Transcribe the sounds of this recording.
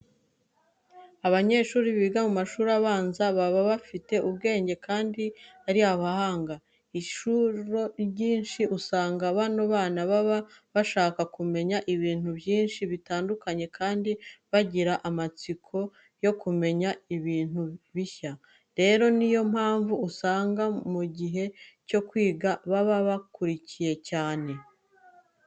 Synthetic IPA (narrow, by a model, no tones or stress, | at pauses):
aβaɲe̞ːʃuːɾiβiɡamumaʃuːɾaβaːnzaβaβaβafite̞ʔuβɡe̞ːɲɟe̞kʰaːndiaɾiaβahaːŋɡa | iʃuɾo̞ɟiːnʃiʔusaːŋɡaβanoβaːnaβaβaβaʃaːkakume̞ɲaʔiβiːn̥uβjiːnʃiβitaːndukaɲe̞kʰaːndiβaɟiɾaʔamat͡sikʰo̞ | jo̞kume̞ɲaiβiːn̥huβiça | ɾe̞ɾo̞nijo̞mhaːɱvuːsaːŋɡamuɟiɦe̞co̞kwiːɡaβaβaβakuɾicije̞caːne̞